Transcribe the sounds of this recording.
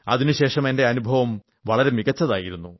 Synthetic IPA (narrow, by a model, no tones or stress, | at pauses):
ɐ̰ðinuɕe̞ːʂɐme̞nde̞ɐnubʱɐʋɐm | ʋɐɭɐɾe̞miɣɐt͡ɕːɐðaːjiɾunːu